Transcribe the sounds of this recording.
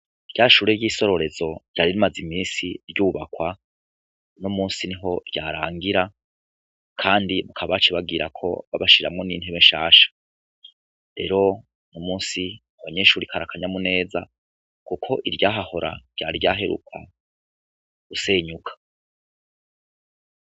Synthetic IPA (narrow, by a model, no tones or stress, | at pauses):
iɾɟaːʃuːɾe̞jiːso̞ɾo̞ɾe̞zo̞ɾɟaːɾiɾimazimiːnsiɾɟuːβakwa | nomuːnsiniɦo̞ɾɟaːɾaːŋɡiɾa | kʰaːndiβakʰaβat͡ʃiβaɡiɾakʰo̞̰βa̰βaʃiɾa̰mŋo̞nḭːn̥heβeʃaːʃḁ | ɾe̞ːɾo̞ | nomuːnsi | aβaɲe̞ːʃuːɾikʰaɾakʰaɲamune̞ːza | kukʰo̞ʔiɾɟaːɦaho̞ɾa̰ɾɟ̥aːɾiɟaɦe̞ɾṵkʰa̰ | ɡ̥use̞ːɲukʰḁ